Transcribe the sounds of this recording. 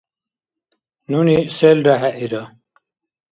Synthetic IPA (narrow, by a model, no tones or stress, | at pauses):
nuniselɖaɦɛʔiɾa